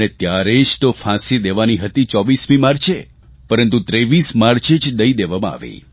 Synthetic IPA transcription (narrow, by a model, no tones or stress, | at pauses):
et̪jaɾed͡ʒt̪ofʰãsid̪eʋaniɦət̪it͡ʃɔʋismimaɾt͡ʃʰe | pəɾənt̪ut̪ɾeʋismaɾt͡ʃed͡ʒd̪əid̪eʋamãa̰ʋḛ